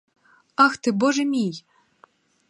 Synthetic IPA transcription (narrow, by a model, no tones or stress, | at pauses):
ɑxt̪ɨboʒɘ̆mʲij